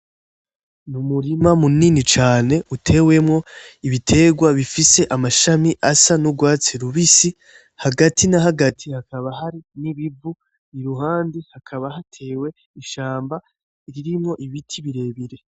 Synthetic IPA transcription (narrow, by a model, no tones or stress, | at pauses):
numuɾimamuninit͡ʃaːne̞ʔutʰe̞we̞mŋo̞iβitʰe̞ɡwaβifise̞ʔamaʃamiʔasanuɡwaːt͡siɾuβisi | haɡatʰinaɦaɡatʰihakaβahaɾiniβibu | niɾuɦaːndihakʰaβaɦatʰe̞ːwe̞ | iʃaːmba | iɾiɾimŋo̞ʔiβitʰiβiɾe̞ːβiɾe̞